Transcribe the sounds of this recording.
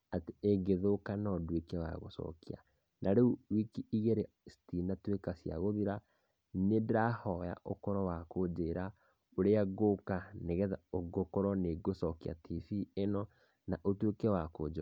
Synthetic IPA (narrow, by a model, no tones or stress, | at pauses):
ateeɡeðokanɔdwekɛwa̰ɣo̰sɔ̰kia̰ | nʔaɾeuwikiiɣeɾestinatwekasja̰ɣoðiɾa | nedahɔja̰ʔo̰kɔɾɔwakod͡ʒeɾa | oɾeaɡokaneɣɛðaoɡokɔɾɔneɡosɔkea̰tʰifienɔ | naʔotwekɛwakod͡ʒɔ